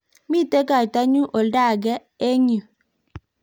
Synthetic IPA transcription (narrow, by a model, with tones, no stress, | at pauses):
mi˦˨te˦ka˨jta˦ɲu˦ʔo˨lda˦˨ɡɛ˦ | e˦ɲu˨